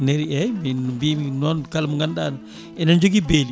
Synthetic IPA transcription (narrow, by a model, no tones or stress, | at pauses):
neɾiɛmibimnɔnkalməŋandan | ɛnand͡ʒoɡibeli